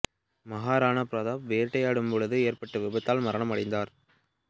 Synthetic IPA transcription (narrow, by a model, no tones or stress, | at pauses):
mɐɣaːɾaːnɐpɾɐðaːʋeːɾʈːɐjaːɽɯmpɔɻɯðɯeːɾpɐʈːɯʋɪbɐt̪ːaːlmɐɾɐɳɐmɐɽɐɪnd̪aːɾ